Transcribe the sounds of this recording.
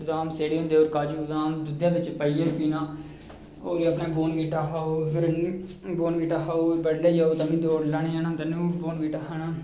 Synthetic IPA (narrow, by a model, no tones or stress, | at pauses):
d̪aːmseːɽeːɦʊ̃nd̪eːoːɾkaːd͡ʒuːd̪aːmd̪ʊd̪jãːʋɪt͡ʃpəiːepiːnãː | oːɾiːəpnaːboːnʋiːʈaːɦaːoːɡəɾniːboːnʋiːʈaːɦaːobəɽleːd͡ʒaːoːt̪amĩːd̪oːɽləːɽeaːnãːd̪ənuːboːnʋiːʈaːɦanaː